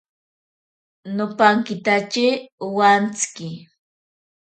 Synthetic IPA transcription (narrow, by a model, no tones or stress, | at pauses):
nopaŋkɪt̪at͡ʃɪwant͡skɪ